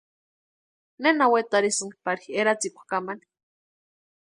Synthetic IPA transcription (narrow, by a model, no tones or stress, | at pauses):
nenawet̪aɾisɨŋpaɾiheɾat͡sikʷḁkamani̥